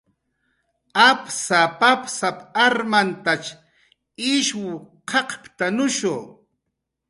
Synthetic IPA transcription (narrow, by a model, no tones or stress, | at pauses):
apsapapsapaɾmant̪at͡ʃ | ɪʃwʊqʰɑqpt̪anʊʃoː